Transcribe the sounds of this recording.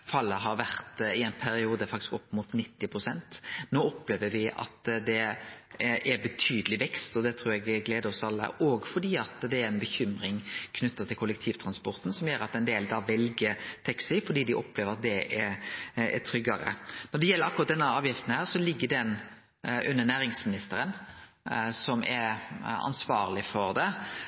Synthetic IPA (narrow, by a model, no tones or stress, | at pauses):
fɑlːəɦɑɾʋæɾt̪ɪɛɪnpʰæɾɪuːd̪əfɑkt̪ɪ̥skɔpːmuːt̪nɪt̪ːɪpʰɾʊsɛnt̪noːɔpːleːʋəɾʋɪɑ̰t̪d̪ɛ | ʔɛɾbət̪ʰyːd̪əlɪʋɛkst̪ɔd̪ɛt̪ʰɾuːɾɛɡɡleːd̪əɾɔsɑlːə̰ʔɔɡfɔɖiːɑt̪d̪ɛæɾɛnbəçʏmɾɪŋkʰnʉt̪ːɑt̪ʰɪlkʰʊlək̚t̪ʰiːʋt̪ʰɾɑnspɔɾt̪n̩sɔmjøːɾɑt̪ɛnd̪eːld̪ɑːʋɛlɡət̪ʰɛksɪfɔɖiːd̪ɪʔɔpleːʋəɾɑt̪̚d̪ɛɛ | ɛ̰t̪ʰɾʏɡːɑɾə̰nɔɖ̪ɛjɛlːəɾɑkʊɾʁɑt̪d̪ɛnːəɑːʋjɪft̪nəhæːʁsɔlɪɡːəd̪ɛn | ʔʉnːənæːɾɪŋsmɪnɪst̪əɾən | sɔmʔɛɾɑ̰nsʋɑːɾlɪfɔɾd̪ɛ